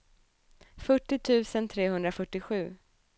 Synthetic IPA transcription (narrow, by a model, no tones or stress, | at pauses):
fœʈːɪt̪ʰʉ̟ːsənt̪ʰɾeːɦɵnd̪ɾafœʈːɪɧʉ̟ː